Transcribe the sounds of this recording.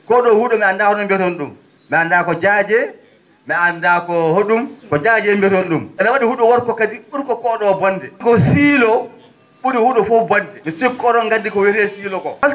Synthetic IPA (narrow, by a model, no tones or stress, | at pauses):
kɔɗɔhuɗɔmɛandahoɗumbɛtɔnɗumː | ɛandakɔd͡ʒaːd͡ʒɛ | mɛandakɔhoɗumkɔd͡ʒad͡ʒɛmbɛtɔnɗumɓɛnawaɗihuɗɔwaɾkɔkadiɓuɾkɔkɔɗɔbɔnːdɛɡɔsiːlɔ | ɓuɾihuɗɔfɔbɔndɛmisikːɔɾɔŋɡandikɔwiɾɛsiːlɔkɔa